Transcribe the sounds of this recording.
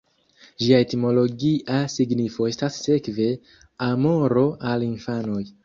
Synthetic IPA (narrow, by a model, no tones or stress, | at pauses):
ʒiaetimo̞lo̞ɡiʔasiɡnifo̞e̞stasːe̞kve̞ | amo̞ɾo̞ʔalinfano̞j